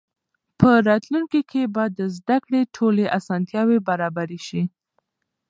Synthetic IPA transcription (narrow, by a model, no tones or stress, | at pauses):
pəɾɑt̪luŋkikʰebɑd̪ːəzd̪akɽeʈʰoleʔasɑnt̪jɑwebaɾɑbaɾeʃi